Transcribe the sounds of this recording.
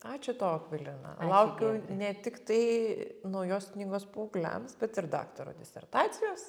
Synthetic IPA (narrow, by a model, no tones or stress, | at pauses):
ɑːt͡ʃʲʊt̪oːkʋʲɪlʲɪnɐ̰lˠɐʊkʲɛʊnʲɛt̪ʲɪkt̪ɐɪnɐʊjoːsknʲiːɡoːspuːɡlʲɛ̰msbʲɛt̪ɪɾd̪ɑ̰ːkt̪ɐɾo̰ːd̪ʲɪsʲɛ̰rt̪ɑːt̪sʲɪjoːs